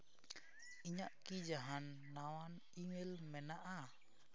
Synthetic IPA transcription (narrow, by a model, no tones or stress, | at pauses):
iɲaʔkid͡ʒaɦanːawan | imelmɛnaʔa